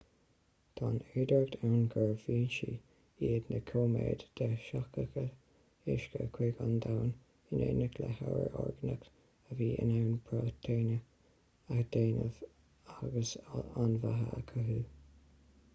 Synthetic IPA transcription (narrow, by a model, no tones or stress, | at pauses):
t̪ʰɑnɛɹd̪aɹk̚t̪ʰawnɡəɹviːnʃi | iːd̪nəkʰoːmḛːd̪d̪̥əʃakəkə | ɪʃkəkʰweɡand̪awn | ɪneːnəkləhawə̰ɹɔ̰ɹɡənək | əviːʔɪ̰nawnbʰɹɔːt̪ʰɛɹnə | axd̪̥eːnə̰v̥ | aɡəsanvaɦəakʰəɦuː